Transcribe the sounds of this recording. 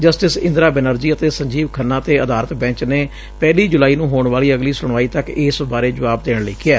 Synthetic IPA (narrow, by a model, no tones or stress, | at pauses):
d͡ʒəsʈɪsɪ̰̃nd̪ɾaːbɛnəɾd͡ʒiːət̪eːsəɲd͡ʒiːʋkʰənːãːt̪eːəd̪aːɾət̪bɛ̃ːɲt͡ʃneː | pɛːliːd͡ʒʊlaːiːnũːɦoːɳʋaːliːəɡliːsʊɳ̃ʋaːiːt̪əkɪːsbaːɾeːd͡ʒəʋaːb̚d̪eːɽlɪːkʰɪjɛː